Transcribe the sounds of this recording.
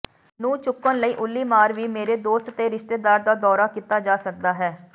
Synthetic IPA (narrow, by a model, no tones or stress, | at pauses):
nũːt͡ʃʊkːənləiːʔʊlːiːmaːɾʋiːmeːɾeːd̪oːst̪t̪eːɾɪʃt̪eːd̪aːɾd̪aːd̪ɔːɾaːkit̪aːd͡ʒaːsək̚d̪aːɦɛː